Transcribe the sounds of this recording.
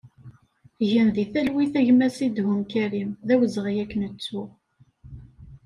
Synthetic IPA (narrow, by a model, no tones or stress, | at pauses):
ʝənðiθælwiθæʝmæsid̪ɦʊmkæɾimðæwəzʁijækːənət͡sːu